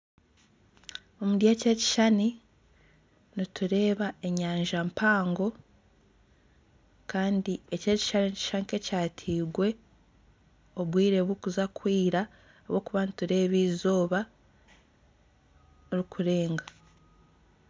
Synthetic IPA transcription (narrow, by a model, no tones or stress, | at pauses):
omudjece̞ci̥ʃani | nituɾe̞ːβae̞ɲaːɲʒampʰaːŋɡo̞ | kaːndie̞ce̞ːci̥ʃaninici̥ʃanike̞caːtʰiːɡwe̞ | o̞βwiːɾe̞ːβwukuzakʰwiːɾaː | βoːkuβanituɾe̞ːβiːzo̞ːβa | ɾikʰuɾe̞ːŋɡa